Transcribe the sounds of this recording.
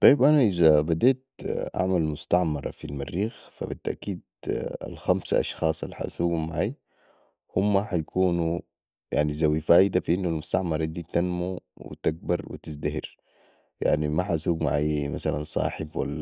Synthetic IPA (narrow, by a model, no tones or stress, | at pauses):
t̪ˤɑjːibʔanaʔizabad̪eːt̪ʔa̰ʕmalmʊst̪ɑʕmɑɾˤɑ̰filmarːiːxfa̰bit̪ːaʔkiːd̪a̰lxamsa̰ʔɑ̰ʃxɑːsˤlːiħa̰ʔsuːɡumaʕaj | humːaħajakʰuːnu | ja̰ʕnizawifaːʔid̪afiʔinːulmʊst̪ɑʕmɑɾˤɑd̪iːt̪anmuwḭt̪aɡ̚bɑɾˤwḭt̪izd̪aɦiɾ | ja̰ʕnimaħasuːɡma̰ʕajmasalansˤɑ̰ːħɪbwalːa